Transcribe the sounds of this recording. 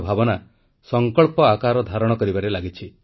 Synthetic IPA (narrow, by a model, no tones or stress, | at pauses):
bʱabɔna | sɔŋkɔɭpɔakaɾɔd̪ʱaɾɔɽ̃ɔkɔɾibaɾelaɡit͡ʃʰi